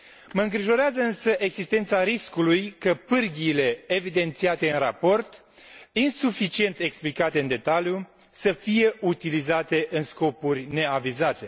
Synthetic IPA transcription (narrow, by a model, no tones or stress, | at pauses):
məɨŋɡɾiʒo̞ɾeazəɨnsəʔe̞ɡsist̪ent̪saɾiskulujkəpɨrɡʲiːle̞ːvid̪e̞nt̪siat̪e̞ɨnrapo̞rt̪ | insufit͡ʃie̞nt̪e̞ksplikat̪e̞ɨnd̪e̞t̪alju | səfije̞ʔut̪ilizat̪e̞ʔɨnsko̞purʲne̞avizat̪e̞